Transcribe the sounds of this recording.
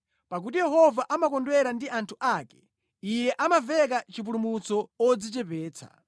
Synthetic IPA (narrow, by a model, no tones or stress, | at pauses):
pak̬utijɛɦɔvaʔamakɔndwɛɾandiantʰuʔakɛ̥ | ijɛʔamavɛk̬at͡ʃip̬ulumut͡sɔɔd͡zit͡ʃɛpɛːt͡sʰa̰